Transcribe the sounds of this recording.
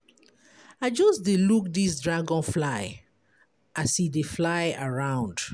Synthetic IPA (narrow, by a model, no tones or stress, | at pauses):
aɪd͡ʒɔsdeluk̚dis̬dɹaɡɔ̃nflaɪ | ʔasideflaɪaɹãʊ̃nd